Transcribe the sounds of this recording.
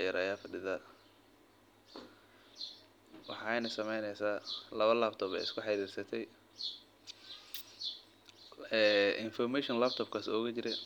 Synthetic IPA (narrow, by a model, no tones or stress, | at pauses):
jɐɾʔɐ̰jaːfɐɖɪðɐ | wɑ̰ħɑjnɐsɐmɛjnɛjsaːlɐβɐlaːbt̪ʰɔːbɛ̰jɪskʰʊħɑɾiːrsɐt̪ʰɛj | ɛːʔɪnfɔrmɛʃɔnlaːb̚t̪ʰɔːbkʰaːsɔːɣɐt͡ʃɪɾɛj